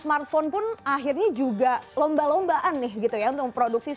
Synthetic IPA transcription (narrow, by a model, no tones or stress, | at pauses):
smart̪̚fonpʊnaɦɪrɲad͡ʒuɡalɔmbalɔmbaʔanːɪhɡit̪ujaʊunt̪ʊkpɾoduk̚si